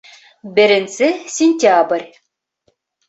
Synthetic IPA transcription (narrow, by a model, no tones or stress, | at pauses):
bɪɾɪnsɪsʲɪnʲt̪ʲabɾʲ